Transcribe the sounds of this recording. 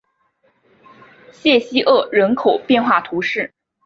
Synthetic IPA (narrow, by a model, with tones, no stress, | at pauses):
ɕjɛ˥˩ɕi˥ʔɤ˥˩ɻə˧˥nkʰo˨˩ʊpjɛ˥˧nxwa˥˩t̪ʰu˧˥ʂɻ̩˥˩